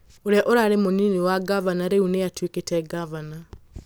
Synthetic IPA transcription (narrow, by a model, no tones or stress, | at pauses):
oɾeaʔoɾaɾemoniniwaɡavanaɾeunejatwiketɛɡavana